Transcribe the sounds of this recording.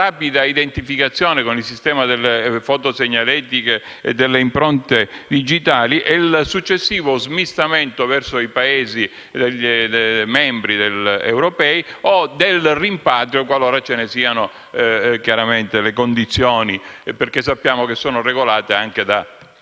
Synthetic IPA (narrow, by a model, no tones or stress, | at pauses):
raːpid̪aid̪ent̪ifikat̪sːjɔːnekonilsist̪ɛːmad̪elːefɔt̪oseɲːalɛːt̪ike | ḛd̪elːeimpɾɔnt̪ed̪id͡ʒit̪aːliʔɛilsut͡ʃːesːiːvozmist̪ament̪ovɛrsoipaeːzi | d̪eʎdmɛmbɾid̪elḛwɾopɛiod̪elrimpat̪ɾjokwaloːɾat͡ʃenesiːano | kjaɾament̪elekond̪it̪sːjoːniperkes̬ːapːjaːmokesːɔːnoreɡolaːt̪eaŋk̟ed̪a